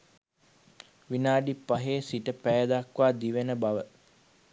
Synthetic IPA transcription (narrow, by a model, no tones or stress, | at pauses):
ʋinaːɖipːaɦeːsiʈəpæjəd̪akʋaːd̪iʋenəbaʋə